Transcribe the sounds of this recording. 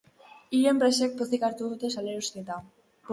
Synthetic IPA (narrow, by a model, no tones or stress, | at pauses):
iɾempɾesek̚poθikaɾt̪uðut̪esaleɾust̪et̪a | p